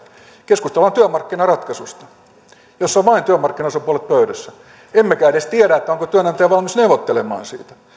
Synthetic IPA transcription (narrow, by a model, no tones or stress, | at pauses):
keskust̪elːɑnt̪yæmɑrkːinɑrɑt̪kɑsust̪ɑ̥ | josːɑʋɑint̪yæmɑrkːinɑosɑpuolet̪̚pøyɾæsːæ | emːækæːeɾest̪ieɾæet̪ːæoŋkot̪yønɑnt̪eæʋɑlmisneuʋot̪ːelemɑ̰ːnsḭːt̪æ̥